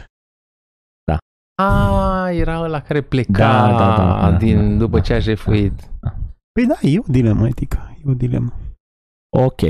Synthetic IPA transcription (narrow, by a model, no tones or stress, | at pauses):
d̪̥a̰ | awajeɾaəlakaɾe̞pledk̪aaa̰dad̪ind̪upət͡ʃeaʒefuit̪pəjd̪ajeod̪ilemʔəet̪ikʰə̥jeod̪ilḛmə | okʲḛ